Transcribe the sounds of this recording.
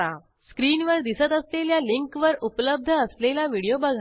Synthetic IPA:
a | skɾiːnʋəɾd̪isət̪əsleljaliŋkʋəɾupləb̚d̪ʱəːslelaʋiɽijobəɡʱa

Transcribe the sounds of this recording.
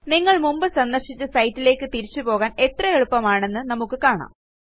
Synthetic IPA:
niŋːɐɭmumbɨsɐnd̪ɐrʂit͡ɕːɨsɐjtːile̞ːkːɨt̪iɾit͡ɕːupo̞ːɣaːne̞t̪rɐeɻupːɐmaːɳe̞nːɨnɐmukːɨkaːɳa̰ːm

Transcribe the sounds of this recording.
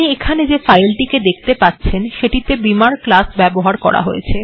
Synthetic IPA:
niekʰaned͡ʑefajlʈiked̪ek̚ʰt̪epatːɕʰenʃeʈit̪ebimaɾklasbɛboɦaɾkɔ̰ɾa̰ɦojḛt͡ɕʰe

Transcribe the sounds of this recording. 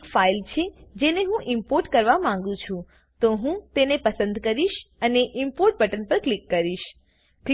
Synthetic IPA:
kfailt͡ʃʰed͡ʒeneɦũʔimpoɾʈkəɾʋamãŋɡũt͡ʃʰũ | t̪oɦũt̪enepəsə̃nd̪ʱkəɾiʃəneʔimpoɾʈ̚bəʈənpəɾklikːəɾiʃ | kl

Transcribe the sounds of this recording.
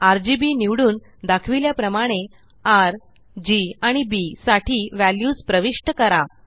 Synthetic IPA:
aɾd͡ʑibiniʋɽuːn | d̪akʰʋiljapɾəmaɽ̃e | aɾ | d͡ʑiaɽ̃ibisaʈʰiːʋæljuːspɾəʋiʂʈəkəɾa

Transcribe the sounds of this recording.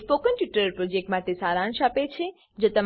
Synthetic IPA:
pokənʈjuʈəɾpɾod͡ʒek̚ʈmãt̪esaɾãnʃapet͡ʃʰe | d͡ʒet̪əm

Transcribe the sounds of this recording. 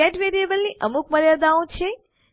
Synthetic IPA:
eʈʋeɾiebəlniʔəmuk̚məɾjad̪aõt͡ʃʰe

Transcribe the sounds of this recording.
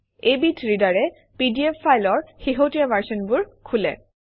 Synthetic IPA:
ejbitʰɹidaɹɛ | pidiepʰːajlɔɹxiɦotijamaɹsɔnbʊɹkʰulɛ̰

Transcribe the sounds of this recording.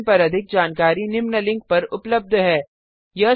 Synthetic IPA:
pɐɾɐd̪ʱɪk̚d͡ʒaːnkaːɾinɪmnəlɪ̃ŋɡ̚pɐɾʊpləb̚d̪ʱɦɛː | jɐ

